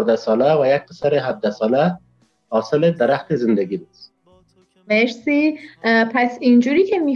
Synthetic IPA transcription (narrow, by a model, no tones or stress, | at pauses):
ɾd̪asɒlawajak̚qɪ̥saɾeɦab̚d̪asɔla | hɒːsɪled̪aɾaxt̪ezɪnd̪aɡibus | meɾsipʰasind͡ʒuɾiːkʰemi